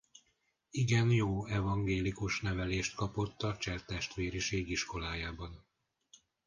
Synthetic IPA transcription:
iɡɛnjoːɛvɒŋɡeːlikuʃnɛvɛleːʃt̪kɒpo̞t̪ːɒt͡ʃɛrt̪ɛʃt̪ʋeːɾiʃeːɡiʃko̞laːjaːbɒn

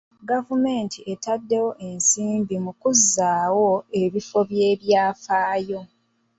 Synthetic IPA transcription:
ɡavume̞ːntʰiʔe̞tadːe̞wo̞ʔe̞nsiːmbimukuzːaːwoe̞βifo̞βje̞ːβjaːfaːjo̞

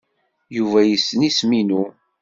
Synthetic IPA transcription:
juvæjəsːənisminu

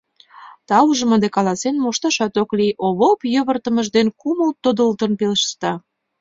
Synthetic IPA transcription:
t̪ɑuʒə̆məd̪ekɑlɑsenmoʃt̪ɑʃɑt̪okliʔoβopjøβə̆rt̪ə̆məʒd̪enkuməlt̪od̪əlt̪ənpeləʃt̪ɑ

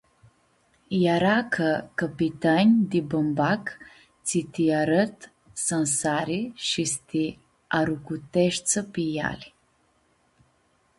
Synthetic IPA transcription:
jaɾakʰəkəpit̪anʲd̪ibəmbak̪ | t͡s̪it̪iaɾət̪ | sənsaɾiʃist̪i | aɾukut̪eʃsəpija̰l

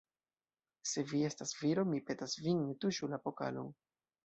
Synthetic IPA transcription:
se̞vie̞stasviɾo̞mipe̞tasvinnetuʃulapo̞ka̰lo̰n

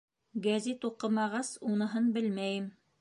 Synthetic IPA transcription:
ɡæzet̪uqɤ̆mɑʁɑsunɤ̆ɦɤnbɘlmæjɘm

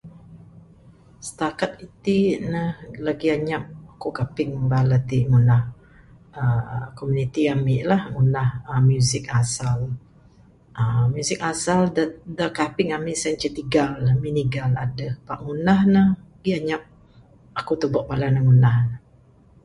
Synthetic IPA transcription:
sə̥t̪akat̪̚it̪inəhlaɡiaɲap̚akukapɪŋbalat̪iŋunah | əkomunit̪iamɪʔlahŋunahəmjuzɪk̚asal | ʔəmjusɪk̚asaldəkapɪŋamɪʔsant͡ʃət̪iɡalminiɡala̰dəhpaʔŋunahnəhaɡiaɲap̚ | akut̪ubɔʔ̚balahnəhŋunahnə

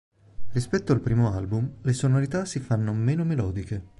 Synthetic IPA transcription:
rispɛt̪ːoalpɾiːmoalbumlesonoɾit̪asifanːomeːnomelɔːd̪ike

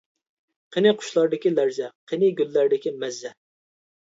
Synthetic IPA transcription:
qʰenɪqʰʊ̥ʃlˠɑɾd̪ɪkʲilæɾzɛqʰenɪɡʲylːæɾd̪ɪkʲimɛzːɛ

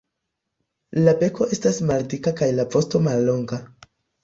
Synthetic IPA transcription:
labe̞ko̞ʔe̞stasmaldikakajlapo̞sto̞malːo̞ŋɡa

